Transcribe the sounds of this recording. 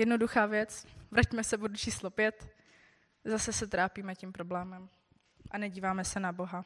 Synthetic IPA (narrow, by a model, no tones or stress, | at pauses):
jɛdno̞duxaːvjɛt͡svɾacmɛsɛbodut͡ʃiːslopjɛt̪ | zasɛsɛt̪ɾaːpiːmɛcimpɾo̞blɛːmɛm | ʔanɛɟiːvaːmɛsɛnabo̞ɦa